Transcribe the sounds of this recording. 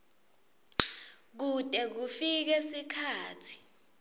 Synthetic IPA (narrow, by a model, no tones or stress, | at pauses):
k̬utʼɛk̬ufik̬ɛsikʰaːtʰi̥